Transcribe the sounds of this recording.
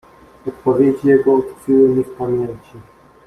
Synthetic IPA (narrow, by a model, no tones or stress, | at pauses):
ɔt̪̚pɔvʲjed͡ʑijɛɡɔːt̪fiwɘmʲifpamʲjeɲt͡ɕi